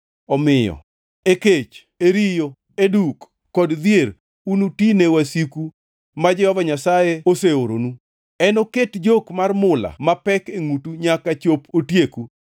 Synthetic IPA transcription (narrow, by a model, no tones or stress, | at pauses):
ɔmɪjɔ̰ | eket͡ʃ | eɾijo | edukː | ɔdd̪jer | unutinewasiku | mad͡ʒɛhɔvaɲasajeoseoɾo̰nu | ɛnoketd͡ʒokmarmʊla̰mapɛkeŋutuɲakat͡ʃopotjeku